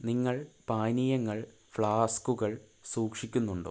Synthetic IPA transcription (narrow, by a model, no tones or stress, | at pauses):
niŋːɐɭpaːnijɐŋːɐɭ | fɭaːskuɣɐɭsuːkʂikʲːunːuɳɖɨ̰